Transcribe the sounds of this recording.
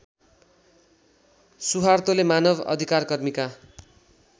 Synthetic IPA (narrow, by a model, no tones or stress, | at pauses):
suɦart̪olemanʌbʌ̰d̪ʱikarkʌrmika